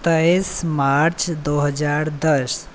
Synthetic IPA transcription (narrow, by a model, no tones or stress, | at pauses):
t̪əismaɾt͡ʃd̪oɦəd͡ʒaːɾd̪əs